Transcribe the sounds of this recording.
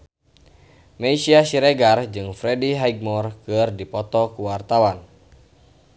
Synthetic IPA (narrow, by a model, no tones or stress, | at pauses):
meisiasiɾɛɡard͡ʒɨŋfɾɛdiɦaiɡ̚mɔrkɨrdipɔt̪ɔkuwart̪awan